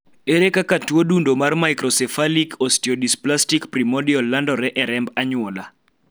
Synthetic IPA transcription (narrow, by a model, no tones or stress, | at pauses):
eɾekakatwodundomarmaikɾɔsɛfalikʰɔstiɔdisplastikpɾimɔdiɔlandɔɾɛʔɛɾɛmbaɲwɔla